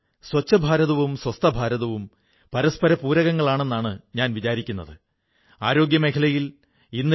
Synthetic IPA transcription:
swɐt͡ɕːɐbʱaːɾɐðɐʋumswɐst̪ʰɐbʱaːɾɐðɐʋum | pɐɾɐspɐɾɐpuːɾɐɣɐŋːɐɭaːɳe̞nːaːɳɨɲaːnʋit͡ɕaːɾikʲːunːɐ̰ðɨ | aːɾo̞ːɡjɐmekʰɐlɐjil | inːɨ

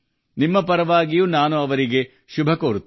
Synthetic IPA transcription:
nimːɐpɐɾɐʋaːɡijuːnaːnuɐʋɐɾiɡe̞ | ʃubʱɐkoːɾut̪ː

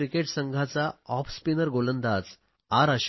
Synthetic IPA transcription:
ɾikeʈsəŋɡʱat͡saɔpspinəɾɡolənd̪at͡s | aɾəɕ

